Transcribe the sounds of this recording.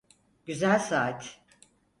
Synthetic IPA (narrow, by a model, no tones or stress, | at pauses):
ɟ̥yzælʲsaːt̪ʰ